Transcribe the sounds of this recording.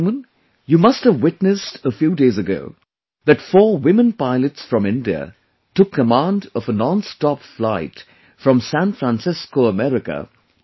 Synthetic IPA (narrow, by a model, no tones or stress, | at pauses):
mə̃n | jɨmʌsthəvwɪtnɨstəfjudeɪzɨɡo̰ʊ | ðɨtfɔːwɪ̃mə̃npaɪlˠɨtsfɹʌ̃mɪ̃ndiə̰ | tʊkʰːəmæ̃ndʌvənɑ̃nstɑpflaɪt | fɹʌ̃msæ̃nfɹæ̃nsɪskoʊəmɛɹɪkə̰